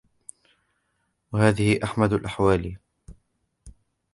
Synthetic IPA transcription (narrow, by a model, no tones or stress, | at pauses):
wahaːðɪhɪʔaħmad̪alʔaħwaːli